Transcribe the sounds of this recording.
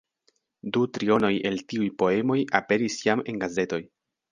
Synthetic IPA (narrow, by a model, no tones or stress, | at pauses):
dutɾio̞no̞je̞ltiujpo̞e̞mo̞jape̞ɾisjame̞nɡaze̞to̞j